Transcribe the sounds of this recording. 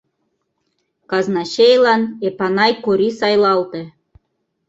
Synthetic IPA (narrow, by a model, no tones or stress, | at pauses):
kɑznɑɕejlˠɑnepɑnɑjkoɾisɑjlˠɑlt̪ĕ